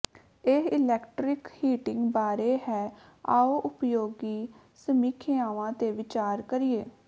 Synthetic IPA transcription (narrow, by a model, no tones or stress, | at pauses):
eɪlɛːkʈɾɪkhiːʈɪŋɡbaːɾeːɦɛː | a̰ːoːʔʊpjoːɡiː | səmiːkʰeːãːʋãːt̪eːʋɪt͡ʃaːɾkəɾieː